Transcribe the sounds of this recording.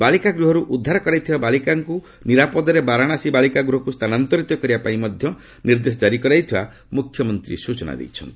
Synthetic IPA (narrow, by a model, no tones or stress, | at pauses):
balikaɡɾuɦɔɾuʔud̪ʱːaɾɔkɔɾajt̪ʰibabalikaŋku | niɾapɔd̪ɔɾebaɾaɽ̃asibalikaɡɾuɦɔkust̪ʰanant̪ɔɾit̪ɔkɔɾibapaĩmɔd̪ʱjɔ | niɾd̪esɔd͡ʒaɾikɔɾajt̪ʰiba | mukʰjɔmɔnt̪ɾḭsut͡ʃɔna̰d̪ḛjt͡ʃʰɔnt̪i